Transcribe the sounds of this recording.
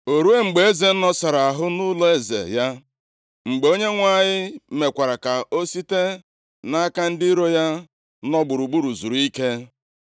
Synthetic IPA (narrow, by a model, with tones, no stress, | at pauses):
o˨ɾu˦e˦ŋ͡m̩˨ɡ͡be˨e˦ze˨n̩˦nɔ˦sa˨ɾa˨a˨ɦʊ˦nu˦lɔ˦e˦zḛ˨ja˦ | ŋ͡m̩˨ɡ͡be˨˦o˦ɲe˦ŋʷa˦ɲɪ˦me˨kʷa˨ɾa˨ka˨ʔo˦si˦te˦ | na˦ka˦n̩˦dɪ˦i˦ɾo˦ja˦ | nɔ˦ɡ͡bʊ˨ɾu˨ɡ͡bu˦ɾu˨zu˨ɾu˨i˦ke˦